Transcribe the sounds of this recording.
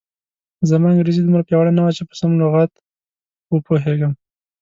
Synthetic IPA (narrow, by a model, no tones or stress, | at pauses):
zəmaaŋɡɾezid̪umɾapjawaɽanawat͡ʃepə̥samloɣat̪ | wəpoɦeɡəm